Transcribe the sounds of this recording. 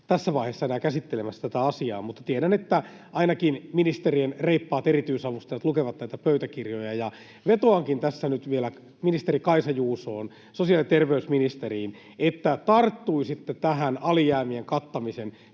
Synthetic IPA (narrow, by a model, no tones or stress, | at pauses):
t̪æsːæʋɑiheːsːɑenæːkæsit̪ːelemæsːæt̪æt̪æɑsiɑ̰ːmut̪ːɑ̥t̪ieɾænet̪ːæ | ɑinɑkinminist̪erienreipːɑːt̪erit̪yisɑʋust̪ɑjɑt̪lukeʋɑt̪næit̪æpøyt̪ækirjojɑjɑ | ʋet̪oɑŋkint̪æsːænyt̪ʋielæ | minist̪eɾikɑisɑjuːsoːn | sosijɑlit̪erʋeysminist̪eriːn | et̪ːæt̪ɑrt̪ːuisit̪ːet̪æɦænɑlijæːmieŋkɑt̪ːɑmisen